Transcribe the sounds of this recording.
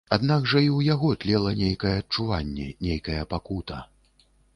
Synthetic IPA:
ad̪naɡʐɐiwjaɣɔt̪ʲlʲɛlˠɐnʲejkɐjɛːt̚t͡ʂuvanʲːɛ̰nʲejkɐjɐpakut̪ɐ

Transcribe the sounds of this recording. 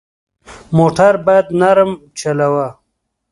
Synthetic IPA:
moːʈaɾbajad̪naɾmt͡ʃalawa

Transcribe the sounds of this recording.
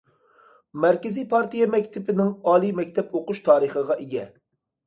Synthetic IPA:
mæɾkʲɪzijpʰɑɾt̪ijɛmɛkʲt̪ʰɪpɪnɪŋɑːlˠimɛkʲt̪ʰɛpoqʊʃt̪ʰɑːɾəχəʁɑʔeɡʲɛ

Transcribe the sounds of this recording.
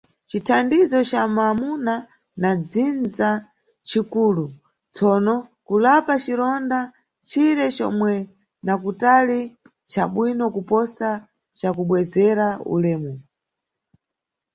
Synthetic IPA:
t͡ʃitʰandizɔt͡ʃamamuna | nad͡zind͡za | t͡ʃikulu | t͡sɔnɔkulapat͡ʃiɾɔnda | t͡ʃʰiɾɛt͡ʃɔ̰mwɛ | nakutali | t͡ʃaɓwinɔkupɔsa | t͡ʃakuɓwɛzɛɾaṵlɛːmɔ

